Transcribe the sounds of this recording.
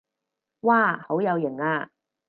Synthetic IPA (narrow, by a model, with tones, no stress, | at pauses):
waː˧˩ho˨˥wjɐ˨˧wjɪ˨˩ŋaː˧